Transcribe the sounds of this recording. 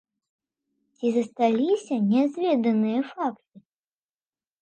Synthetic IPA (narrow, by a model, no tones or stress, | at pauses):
t͡sʲizɐst̪alʲisʲɐnʲɛzʲvʲɛd̪ɐnɨjɐfakt̪ɨ